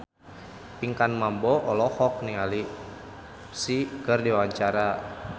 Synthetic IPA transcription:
piŋkanmambɔʔɔlɔhɔk̚niŋali | sikərdiwaɲt͡ʃaɾa

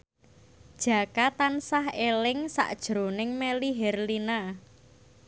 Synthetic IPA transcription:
d̥ʒ̥ä̤kat̪ansaɦelɪŋsa̰ʔd̥ʒ̥ɾo̤nɪŋmeliɦɛrlina

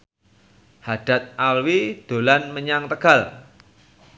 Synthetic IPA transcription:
had̥a̤t̪̚ʔalwid̪̥o̤lanməɲaŋt̪əɡ̥a̤l

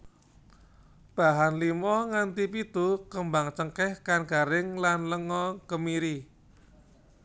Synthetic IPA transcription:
b̥a̤ɦanlimɔŋant̪ipit̪ukəmbaŋt͡ʃəŋkɛhkanɡa̤ɾɪŋlanləŋɔkəmiɾi

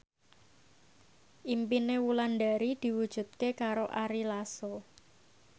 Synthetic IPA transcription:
ʔimpinewulanɖa̤ɾid̪̥i̤wud̥ʒ̥ṳt̪̚kekaɾoʔaɾilaso

